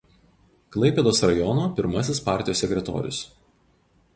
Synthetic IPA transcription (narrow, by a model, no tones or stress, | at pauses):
klˠɐɪpʲɛːd̪oːsɾɐjɔnoːpʲɪɾmɐsʲɪspɑˑɾʲt̪ʲɪjosːʲɛkʲɾʲɛt̪ɔ̰ːɾʲʊ̰s